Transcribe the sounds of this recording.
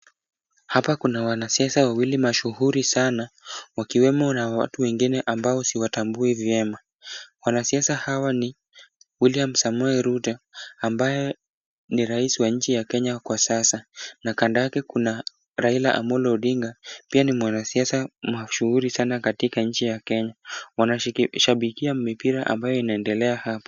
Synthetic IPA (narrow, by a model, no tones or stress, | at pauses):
hapakunawanasiasawawilimaʃuhuɾisanawakiwɛmɔnawa̰tuwɛŋɡinɛʔambaɔsiwatambuivjɛma | wanasiasahawani | wiliam̩samɔɛɾutaːmbajɛ | niɾaisiwaɲ̩t͡ʃijakɛɲakwasasanakandajakɛkuna | ɾailaʔa̰mɔlɔːɗiŋɡapianimwanasiasamaʃuhuɾisanakatikaɲ̩t͡ʃijakɛɲawanaʃaɓikiamipiɾaʔa̰mbajɔinaɛndɛlɛahapɔ̥